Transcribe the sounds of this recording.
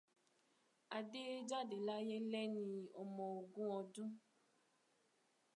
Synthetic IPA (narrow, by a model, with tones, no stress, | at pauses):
a˨de˦d͡ʒa˦de˨la˦je˦lɛ˦nĩ˧ɔ˨mɔ̃˨o˨ɡũ˦ɔ˧dũ˦